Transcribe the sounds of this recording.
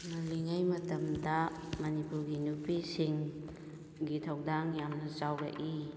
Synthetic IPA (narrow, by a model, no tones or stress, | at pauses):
nɐliŋajmɐtɐmdɐ | mɐnipuɾɡinupisiŋ | ɡitʰɐwdaŋjamnɐt͡ʃawɡa̰ʔi